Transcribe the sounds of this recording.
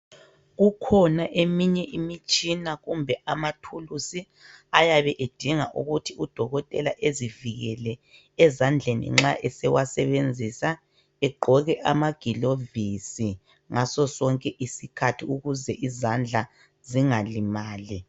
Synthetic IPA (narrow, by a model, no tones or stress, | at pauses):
ɣukʰɔnaʔemiɲɛʔimit͡ʃʼinaɣumbʱɛʔamatʰulusi | ajaβɛʔed̥ʱiŋaʔuɣutʰiud̥ʱɔɣɔtʼɛlaʔeziviɣɛlɛː | zand͡ɮʱenḭŋ͡ǁaʔɛsɛwasɛβend͡zʱisa | ɛɡ͡ǃʱɔɣɛʔamaɡ̥ʱilovisi | ŋasɔsɔŋkʼɛʔisikʰatʰiuɣuzɛʔizand͡ɮʱa | ziŋalimaːli